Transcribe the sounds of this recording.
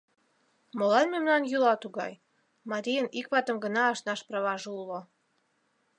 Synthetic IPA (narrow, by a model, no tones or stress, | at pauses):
molɑnmemnɑnjulɑt̪uɣɑ̰j | mɑɾijənikβɑt̪ə̆mɡənɑːʃnɑʃprɑβɑʒeulo